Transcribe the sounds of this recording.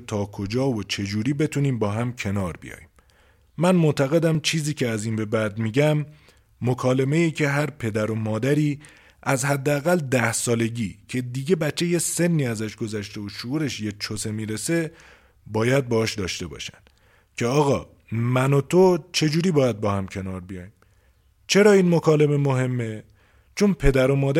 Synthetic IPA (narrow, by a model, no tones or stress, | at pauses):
t̪ʰɒːkʰod͡ʒɒːvot͡ʃʰe̞d͡ʒuːɾiːbe̞t̪ʰuːniːmbɒːɦæmcʰe̞nɒːɾbḭjɒ̰ːjiːmː | ænmot̪ʰæɣe̞d̪æmt͡ʃʰiːziːcʰeæziːnbe̞bæd̪miːɟæmː | okʰɒːle̞me̞jiːcʰe̞ɦæɾpʰe̞d̪æɾo̞mɒːd̪æɾiː | æzhæd̪ːeæɣæld̪æhsɒːle̞ɟiːcʰe̞d̪iːɟe̞bætt͡ʃʰːe̞jese̞nːiːæzæʃɡo̞zæʃt̪e̞oʃouːɾe̞ʃjet͡ʃʰose̞miːɾe̞se̞ | bɒːjæd̪̚beɒːʃd̪ɒːʃt̪e̞bɒ̰ːʃænd̪ | cʰe̞ɒːɣɒː | mænot̪ʰot͡ʃʰe̞d͡ʒuːɾiːbɒːjæd̪̚bɒːhæmcʰe̞nɒːɾbijɒːjim | t͡ʃʰe̞ɾɒːiːnmokʰɒːleme̞moɦe̞mːe̞ | t͡ʃʰonpʰe̞d̪æɾo̞mɒːd̪